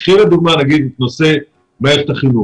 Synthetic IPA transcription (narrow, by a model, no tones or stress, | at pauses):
χilad̪uɡmanaɡid̪et̪no̞se̞ | meeʁt̪aχinu